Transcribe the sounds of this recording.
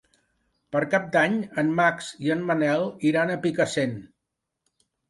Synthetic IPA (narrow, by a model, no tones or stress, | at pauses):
pəɾkap̚d̪aɲənmaksiənmənɛlˠiɾanəpikəsen